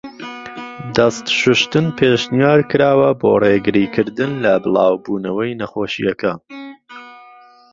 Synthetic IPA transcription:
d̪ɐst̪ʃʊʃt̪ɨnpʰeːʃnijaːɾkɨɾaːwɐbo̰ːreɡɨɾiːkʰɨɾd̪ɨnlɐbɨlˠɑːwbuːnɐwɐjnɐχoːʃijɐkʰan

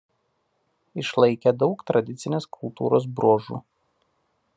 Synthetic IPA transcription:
ɪʃlˠɐɪkʲɛd̪ɒʊkt̪ɾɐd̪ʲɪt̪sʲɪnʲeːskʰʊlˠt̪ṵːɾoːs̬bɾoːʒṵː

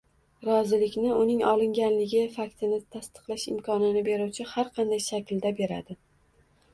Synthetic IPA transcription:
ɾɒzɪlɪkʲnɪʊnɪŋɒlˠɪŋɡʲanlɪɡʲɪfakʲt̪ʰɪnɪt̪ʰast̪ʰɨ̥qlˠaʃɪ̰mkʰɒnɪnɪbe̞ɾuwt͡ʃʰɪhaɾqʰɑnd̪ajʃakʲld̪abe̞ɾa̰d̪ɪ

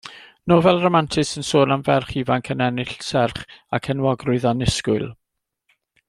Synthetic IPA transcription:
noːvɛlˠrɔmantʰɪsənsoːnamvɛrχivankʰənɛnɪɬsɛrχakʰɛnwɔɡrʊɨðanɪskʊɨlˠ

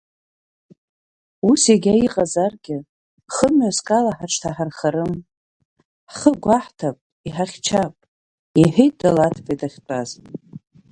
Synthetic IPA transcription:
useɡʲaiqʼazarɡʲɪ | χəmɥaskʼalaħaʈ͡ʂʰtʰaħarχaɾɨm | χəɡʷaħtʰapʼ | iħaχʲt͡ʃʰapʼ | iħejt̚ʼdalatʰpʼedaχʲt͡pʼazʼ

